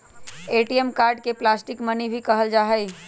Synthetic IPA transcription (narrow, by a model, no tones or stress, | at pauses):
eːʈiəmkaːɾɖkeplaːsʈɪkmənibʱikəɦəld͡ʒaːɦəj